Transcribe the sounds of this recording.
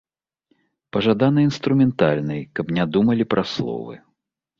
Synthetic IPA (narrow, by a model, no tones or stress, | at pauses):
pɐʐad̪anɨinst̪ɾumʲɛnt̪alʲnɨjkɐpnʲad̪umɐlʲipɾʔɐslˠɔ̰vɨ̰